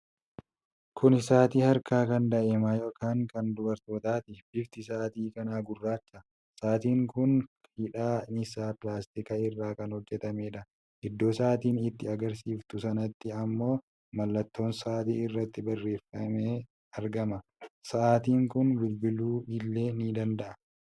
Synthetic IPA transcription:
kʰʊnɪsaːt̪iːhɐɾkaːkɐnd̪ɐʔemaːjo̞ːkaːŋkɐnd̪ʊbɐɾt̪o̞ːt̪aːt̪ɪb̥ɪft̪ɪs̬aːt̪iːkɐnaːɡʊrːaːt͡ʃːɐ | saːt̪iːŋkʊn | hɪᶑaːnɪsaːpɪlaːst̪ɪkɐɪrːaːkɐnhɔd͡ʒːɛt̪ɐme̞ːᶑɐ | ʔɪd̪ːo̞ːsaːt̪iːnɪt̪ːɪɐɡɐɾs̬iːft̪ʊsɐnɐt̪ːɪɐmːo̞ː | mɐlːɐt̪ːo̞ːnsaːt̪ḭːɪrːɐt̪ːɪbɐrːe̞ːfɐmeː | ɐɾɡɐmɐsɐʔaːt̪iːŋkʊnbɪlbɪluːɪlːe̞ːnid̪ɐnd̪ɐʔɐ

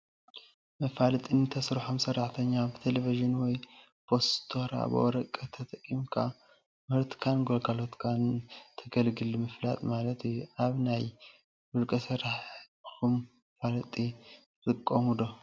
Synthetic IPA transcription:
mɐfalɨt̪ʼinɨt̪ʰɐsɾħomsɐrːaħt̪ʰɐɲːabɨt̪ʰeleviʒɨnwɔj | pʰo̞st̪ʰo̞ɾa̰b̰ʔɔ̰ɾɐkʼːɐt̪ʰɐt̪ʼɐkʼːimkʰa̰ | mɨɾt̪kʰanɡolɡalo̞t̪kʰant̪ʰɐɡɐlɡɨlmɨfla̰t̪ʼmalɐt̪ʰjuaβnaj | wulkʼɐsɐɾaħ | xum | ɐfalɐt̪ʼi | zɨkʼːomud̪o̞

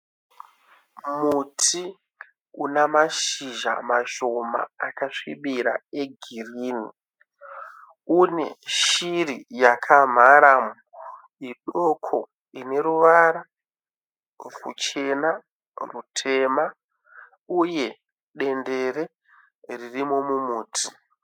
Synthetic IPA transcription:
mutʰi | unamaʃiʒa̰maʃo̞ma̰ːkaʂiɓiɾa̰eɡʱiriːni | une̞ʃirijakʰam̤aɾamu | iɗo̞kʰo̞ | ine̞ɾuʋaɾa | kṵt͡ʃe̞na | rutʰe̞ma | uje̞ | ɗe̞nde̞ɾe̞ | ririmo̞mumuːtʰi̥

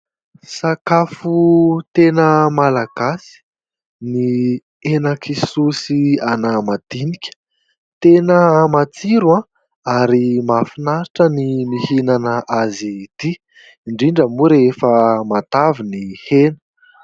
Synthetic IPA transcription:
sakafut̪enəmalaɡ̥asi̥ | ni | enakʰisusianamad̪̥inikʲə̥ | t̪enəmat͡siɾuã | aɾimafinaɾiʈ͡ʂənimihinanəʔazid̪i | iɳɖ͡ʐiɳɖ͡ʐəmuɾefəmat̪avinihenə̥

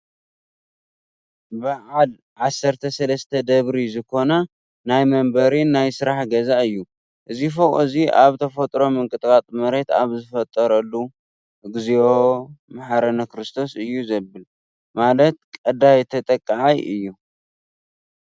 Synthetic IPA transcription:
bɨʕal | ʕasːɐɾt̪ʰɐsɐlɐst̪ʰɐd̪ɐβɾizɨkʰo̞na | najmɐmbɐɾinajsɨɾaħɡɐzaʔɨjːu | ʔɨzifoχʼɨziʔaβt̪ʰɐfot̪ʼɾo̞mɨŋkʼɨt̪ʼkʼat̪ʼmɐɾe̞t̪a̰βzɨfɐt̪ʼːɐɾɐlːu | ɨɡɨziomaħaɾɐnɐkɾɨst̪ʰo̞sɨjːuzɐbɨl | malɐt̪̚kʼɐd̪ajt̪ʰɐt̪ʼɐkʼːaʕajʔɨjːu

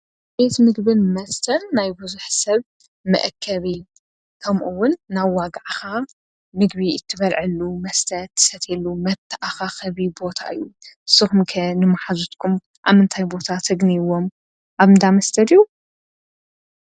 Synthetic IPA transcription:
bejt̪ʰɨmɨɡbɨnmɐst̪ʰɐnːajbɨzuħsɐβ | mɐ̰ʔkʰːɐβi | kʰɐmʔuwːʊnːaβːaɡaʕxa | mɨɡbiɨt̪ʰːɨβɐlʕɨlːumɐst̪ʰɐd̪t̪ʰːɨ̥sɐt̪ʰelːumɐt̪ʰːɐʔaxaxɐβibo̞t̪ʰa̰ʔɨjuɨsːɨxumkʰɐnɨmaħazut̪kʰum | ʔa̰mɨnt̪ʰajbo̞t̪ʰat̪ʰɨɡniwo̞m | ʔaβɨnd̪amɐst̪ʰɐd̪iju

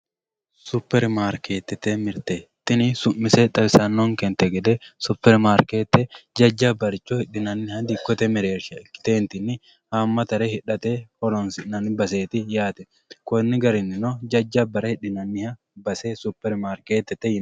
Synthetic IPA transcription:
sʊpːɛɾmaːɾkeːt̪ːɛt̪emɪɾt̪et̪ːɪnɪsʊmːɪsɛᶑ̪ɐbɪsɐnːɔŋkɛnt̪ɛɡɛd̪ɛsʊpːɛɾmaːɾkeːt̪ːɛd͡ʒɐd͡ʒːabɐɾɪt͡ʃːɔhɪᶑɪnɐnːɪhɐd̪ɪkːɔt̪ɛmɪɾeːɾʃɐɪ̥t̪eːnt̪ɪnːɪ | hamːɐt̪ɐɾɛhɪᶑɐt̪ehɔlɔnsɪnɐnbɐs̬eːt̪ɪjaːt̪ɛ | kɔnːɪɡɐɾɪnɪnod͡ʒɐd͡ʒːabɐɾɐhɪᶑɪnɐnːɪhɐ | bɐsesʊpːɛɾmaːɾkeːt̪ːɛt̪ːɛjɪn

